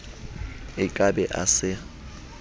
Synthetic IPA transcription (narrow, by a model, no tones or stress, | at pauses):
ɪkʼabɛʔa̰sɪ